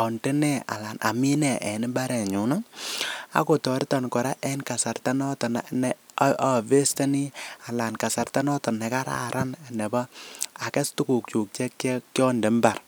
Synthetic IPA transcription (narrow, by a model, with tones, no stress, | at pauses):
ɔ˨ndɛ˦nɛ˦a̰˨la˨nʔa̰˨mi˦nɛ˨ʔɛ˨ni˦ba˦ɾɛ˨ɲu˨˦na˦ | a̰˨˦ko˨tɔ˨ɾi˦tɔ˨nkɔ˨ɾa˦ʔɛ˦nka˨sa˨rta˦nɔ˦tɔ˨na˨nɛa˦˨ve˦sta˦ni˦a˨la˨nka˨sa˨rta˦nɔ˦tɔ˨nɛ˨ka˦ɾa̰˦ɾa˦na˨nɛ˨ba˦a˨kɛ˦stu˦ku˨k̚t͡ʃu˨k̚t͡ʃɛ˦kːkjɔ˦ndɛ˨mba˨r